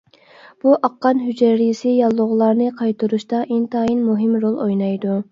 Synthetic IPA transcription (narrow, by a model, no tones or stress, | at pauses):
b̥uʔɑqːɑnɦyd͡ʒæɾijsɪjɑlˠːʊʁlˠɑɾnɨqʰɑjt̪ʰuɾuʃt̪ɑʔint̪ʰɑːjinmuɦɪmɾolˠojnɑjd̪u